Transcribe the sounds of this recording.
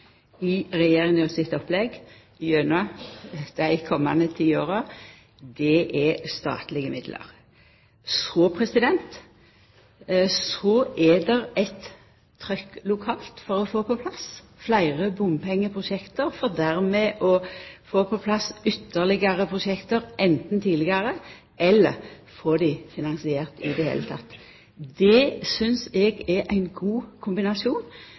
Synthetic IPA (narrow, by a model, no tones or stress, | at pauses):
ɪʁɛjeːɾɪŋɔsɪt̪ɔplɛɡ | jøːnɑd̪̥æɪkʰɔmːɑnət̪ʰiːoːɾɑ | d̪ɛʔɛst̪ɑ̰ːt̪lɪɡəmɪd̪lʔə̰ʁ | sɔpʰʁɛsɪd̪ɛnt̪ | sɔʔɛd̪ɛɾɛt̪ʰː | ɾœkːlʊkʰɑːlt̪fɔɾɔfoːpɔpʰlɑs | flæɪʁəbʊmpʰɛŋːəpʰʁʊʃɛkt̪əɾfɔʁd̪æɾmɛːʔɔfoːpʰɔpʰlɑsʏt̪ːəʁlɪɡəʁəpʰʁʊʃɛkt̪əɾʔɛnt̪n̩t̪ʰiːd̪lɪɡəʁə | ʔɛlːəʁ | foːd̪ɪfɪnɑnsɪeːʁt̪ɪd̪ɛhḛːlət̪ʰɑt̪ː | d̪ɛsʏnsɛɡɛʔæɪnɡuːkʰʊmbɪnɑsjuːn